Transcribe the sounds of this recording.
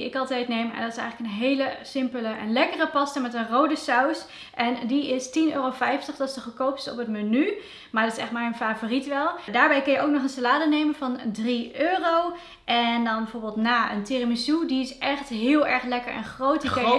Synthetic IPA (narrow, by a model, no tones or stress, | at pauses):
iɪkɑlˠtɛjtnejmɛ̰ndɔtɪsɛjɣləkənɦejləsɪmpələənlɛkərəpɑstəmɛtənrowdəsaws | ʔɛndiɪstinøːrowfɛjftəχdɑsdəχəkowpɪ̥sɔ̰pətməny | maːɹdɑtɪsɛχmɛjnfaːvoːritʋɛlˠdaːɹbɛjkɵnjəowknɔχənsalaːdənejmənvɑndriøːrow | ʔɛndɑnbɛvoːɹbəːlˠtnaːʔə̰ntɪrəmisudiɪsɛχtɦɪːlˠɛɹχlɛkəɹɛ̰nχrowtdi